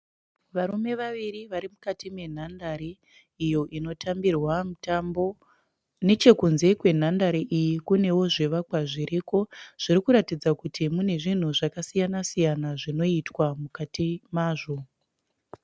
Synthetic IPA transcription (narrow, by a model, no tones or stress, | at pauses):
ʋaɾume̞ʋaʋiriʋaɾimukatime̞n̤andaɾi | ijo̞ʔino̞tʰambirwamutambo | ne̞t͡ʃe̞kunze̞kwe̞n̤andaɾiʔijikune̞wo̞ʐeʋakwaʐiɾiko̞ʐ̥iɾikuɾatid͡zakutʰimune̞ʐin̤uʐakasijanasijanaʐino̞itwamukatimaːʐo̞